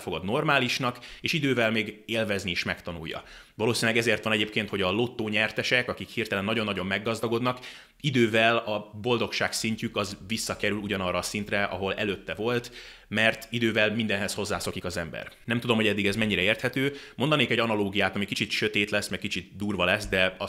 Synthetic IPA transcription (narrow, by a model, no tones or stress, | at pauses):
fo̞ɡɒd̪no̞rmaːliʃnɒkeːʃid̪øːvɛlmeːɡeːlvɛznieːʃmɛkt̪ɒnṵjːɒ̰ | vɒloːsinlɛɡɛzeːrt̪ʋɒnɛɟeːp̚keːnt̪ho̞ɟɒlo̞t̪ːoːɲɛrt̪ɛʃɛkɒkikhirt̪ɛlɛnːɒɟonːɒɟo̞mːɛɡːɒzd̪ɒɡo̞d̪nɒk | id̪øːvɛlɒbo̞ld̪o̞kʃaːksiɲcykɒzvisːɒkɛɾyluɟɒnɒrːɒːsint̪rɛʔɒ̰ɦo̞lɛ̰løːt̪ːɛvo̞lt̪mɛrt̪id̪øːvɛlmind̪ɛnɦɛsho̞zːaːso̞kikɒzɛmbɛ̰rnɛmt̪ud̪o̞mhoɛd̪ːiɡɛzmɛɲːiɾɛeːrt̪hɛt̪øːmo̞nd̪ɒneːkɛɟɒnɒloːɡijaːt̪ɒmikit͡ʃit̪ʃø̞t̪eːt̪lɛsːmɛk̚kit͡ʃit̪̚d̪uːrvɒlɛsd̪ɛɒ